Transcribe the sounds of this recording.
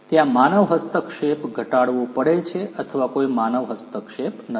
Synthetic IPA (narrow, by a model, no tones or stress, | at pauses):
t̪jãmanəʋɦəst̪əkʃepɡʱəʈaɽʋõpəɽet͡ʃʰeʔət̪ʰəʋakoimanəʋɦəst̪əkʃepnə